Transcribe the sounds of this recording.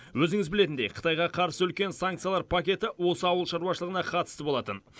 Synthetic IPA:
wɵzɪŋɪzbɪle̞t̪ɪnd̪e̞jqʰə̥t̪ʰɑjʁɑqʰɑɾsəʏlkʲe̞nsaŋk̚t̪sijalˠɑɾpʰakʲe̞t̪ɪwo̞səɑwəlˠʃɑɾuɑʃəlˠəʁənɑqʰɑt̪ə̥st̪əbolˠɑt̪ən

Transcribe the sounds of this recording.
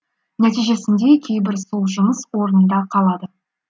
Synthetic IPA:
næt̪ijʒe̞sɪnd̪e̞kʲʰejbɪɾso̞lˠʒʊməswo̞ɾənd̪ɑqʰɑlˠɑd̪ə

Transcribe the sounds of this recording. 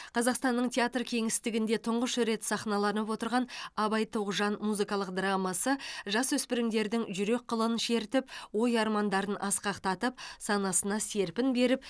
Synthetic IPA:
qʰɑzɑqst̪ɑnːəɴt̪ʲʰeat̪rkʲʰe̞ŋɪst̪ɪɡʲɪnd̪e̞t̪ʰʊɴʁəʃʏɾe̞t̪sɑχnɑlˠɑnəpwo̞t̪əɾʁɑnɑbɑjt̪ʰoʁʒɑnmuzɨkɑlˠəqd̪ɾɑmɑsəʒɑswɵspɪɾɪŋd̪e̞ɾd̪ɪŋʒʏɾe̞k̚qʰːəlˠənʃe̞ɾt̪ɪpwo̞jɑɾmɑnd̪ɑɾənʔɑsqɑqt̪ɑt̪əp̚sɑnɑsənɑse̞ɾpɪnbe̞ɾɪp

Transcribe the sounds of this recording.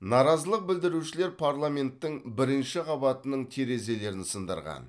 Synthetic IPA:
nɑɾɑzəlˠəq̚bɪld̪ɪɾuʃɪle̞ɾpʰaɾlˠamʲe̞nt̪ːɪŋbɪɾɪnʃɪqʰɑbɑt̪ənəɴt̪ʰe̞ɾe̞ze̞le̞ɾɪnsənd̪ə̰ɾʁɑ̰n

